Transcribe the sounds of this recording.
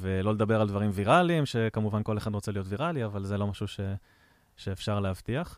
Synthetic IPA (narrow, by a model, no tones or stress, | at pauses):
velo̞le̞d̪abe̞ʁald̪vaʁimviʁaliimʃe̞kamuvanko̞le̞χad̪ʁot͡selijo̞t̪viʁaliavalzelo̞maʃuʃe̞ | ʃeːfʃaʁlehavt̪iaχ